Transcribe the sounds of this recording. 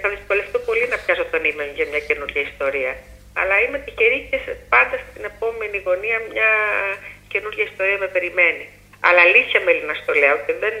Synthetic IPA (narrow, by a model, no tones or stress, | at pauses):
t̪ɐðisko̞le̞ft̪opo̞linɐpçɐsot̪ɐnime̞ʝɐmɲɐce̞nuɾʝɐist̪o̞ɾiɐ | ɐ̰lɐime̞t̪içeɾicespɐnd̪ɐst̪ine̞po̞me̞niɣo̞niɐmɲɐ | ce̞nuɾʝɐist̪o̞ɾiɐme̞pe̞ɾime̞ni | ɐ̰lɐlisçɐme̞linɐst̪o̞leot̪eðe̞n